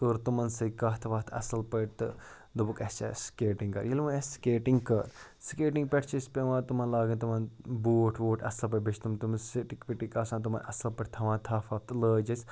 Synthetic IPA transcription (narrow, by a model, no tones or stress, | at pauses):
t̪oːɾt̪umɐnsɐkɐɦt̪ʰʋɐt̪ʰɐ̰sɐlpɐʈt̪ɨ̰ | d̪ɐbukɐst͡ʃa̰skeːʈĩŋɡkɐ̰ɾjilmueskeːʈiŋɡkɐɾ | skeːʈĩŋɡ̚pʲeʈʰt͡ʃʰisʲpeʋãːt̪umɐnlaːɡɐnt̪umɐnbuːʈʰʋoːʈʰɐsɐlpɐʈbɐt͡ʃʰt̪umt̪umɐnsiʈikpiʈikɐsãːnt̪̬umɐnɐ̰sɐlpɐʈʰʲt̪ʰɐʋãːt̪ʰaːfʰɐft̪ləːd͡ʒɐsʲ